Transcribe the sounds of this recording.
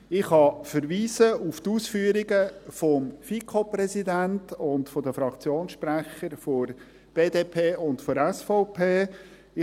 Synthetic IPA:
ɪχhɑfəɾviːsəuft̪uːsfyːəɾiɡəfɔmfikʰoprɛsidæntʊntfɔd̪əfɾɑkt͡sjoːnsʃpræχəɾfoɾ | b̥eːdeːpʰeːʊntfoɾɛsfɔʊpʰeː | ɪ

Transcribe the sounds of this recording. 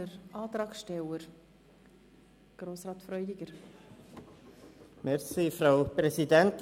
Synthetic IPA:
əɾʔɑːt̪ɾɑːksʃtɛwəɾ | ɡ̥ɾoːsɾɑːt̪fɾœʏdɪɡ̥əɾ | mɛɾsifɾaʊpɾɛsidɛnt̪

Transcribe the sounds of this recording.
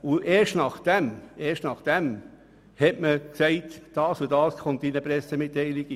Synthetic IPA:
ʊeːʃtnɑχd̥ɛmeːɾʃtnɑχd̥ɛm | hɛtməksɛɪtd̥ɑːsudɑːskʰɔntinəpɾɛsemɪtːɛɪliɡi

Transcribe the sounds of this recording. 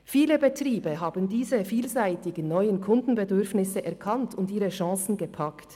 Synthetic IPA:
fiːləbətʁiːbəɦaːbn̩diːzəfiːlzaɪtɪɡən̩nɔʏənkʰʊndn̩bədʏʁfnɪsəʔɛʁkʰɑntʰʊndiːʁəʃɑ̃ːsn̩ɡəpʰɑkt

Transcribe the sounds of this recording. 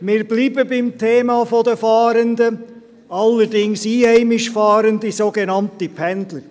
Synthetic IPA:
mɪːɾbliːbəbɪmtʰeːmɑːfodəfɑːɾəndə | ɑlːəɾdɪŋsiːhɛɪmɪʃfɑːɾəndisoːɡenɑntipʰɛndlə

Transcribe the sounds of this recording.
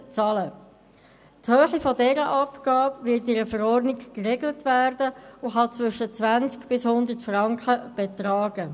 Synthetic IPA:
t͡sɑlə | thøːχifɔdɛɾəʔɑpɡ̥ɑːbʋɪtɪɾəfəɾɔɾdnɪɡkreɡlətʋæːɾdəʊɦɑt͡sʋʏʃət͡sʋænt͡skb̥ɪshʊnd̪ətfrɑŋkχəb̥ɛt̪rɑːɡ̥ə

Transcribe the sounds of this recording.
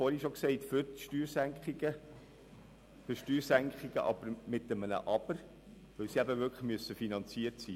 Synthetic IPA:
fɔːɾhiʃɔksɛɪtfʏɾʃtyːɾsæŋkχiɡə | fʏɾʃtyːɾsæŋkχiɡ̥ə̰ʔɑ̰b̥əɾmɪt̪əmənə̰ʔɑb̥əɾ | ʋœwsiæbəʋʏkʰləχmyøəsːəfinɑnt͡siəɾtsiː

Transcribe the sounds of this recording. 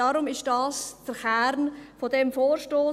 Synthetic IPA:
ɑːɾʊmɪʃd̥ɑːsd̥əɾχæːɾnfodɛmfoːɾʃtoː

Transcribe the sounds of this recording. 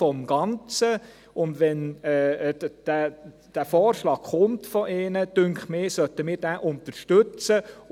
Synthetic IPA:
ɔmɡ̥ɑnt͡sə | ʊndʋɛnː | d̥æ | d̥æːfɔːrʃlɑːɡχʊmtfɔʔeːnəd̥ʏŋkχmɪːsœtəmɪːɾd̥æːʔʊntəɾʃtøt͡sə

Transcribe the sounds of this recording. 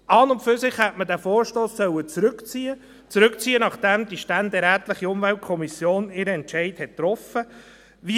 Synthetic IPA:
ɑːnʊmpfʏɾsɪχhɛtmədæːfoːɾʃtoːsːœwət͡sɾɵkt͡siːə | t͡sɾɵk̚t͡siːənɑχd̥ɛmd̥̪iʃtænd̪ɛɾæːtlɪχiʊmvælt̚kʰɔmisjoːnɪɾəɛnt͡ʃɛɪthɛttːɾɔfə | ʋi

